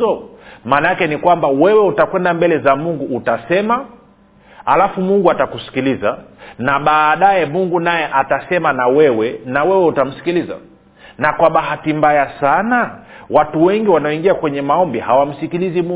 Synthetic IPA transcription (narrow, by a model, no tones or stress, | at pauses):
ɔmaːnajakɛnikwambawɛwɛutakwɛndambɛlɛzamuŋɡuːtasɛma | a̰lafumuŋɡuatakusi̥kilizanaɓaːɗajɛmuŋɡunajɛʔatasɛmanawɛwɛnawɛwɛutam̩si̥kiliza̰ | nakwaɓaɦatimbajasanawatuwɛŋɡiwanaɔiŋɡiakwɛɲɛmaɔmbihawam̩sikilizimu